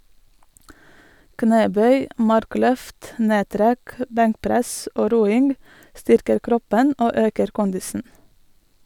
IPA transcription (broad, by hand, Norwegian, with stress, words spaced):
ˈkneːˌbœʏ ˈmɑɾˌklœft ˈneːˌtɾɛk ə ˈbɛŋkˌpɾɛsʔ ˈoː ˈɾuːɪŋɡ ˈstʏɾkəɾ ˈkɾɔpən ˈoː ˈøːkəɾ ˈkʊndɪsn̩